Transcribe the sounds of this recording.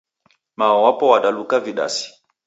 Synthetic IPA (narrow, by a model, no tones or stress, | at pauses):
maɔwapɔwaɗalukaviɗa̰si̥